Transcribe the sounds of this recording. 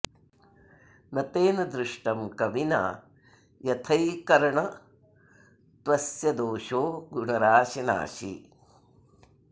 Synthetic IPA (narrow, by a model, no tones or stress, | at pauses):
nɐt̪eːnɐd̪ɾɪʂʈɐmkɐʋina̰ː | jɐt̪ʰɐjkɐɾɐɳɐ | t̪ʋɐsjɐd̪oːʂoːɡuɳɐɾaːʃɐna̰ːʃḭ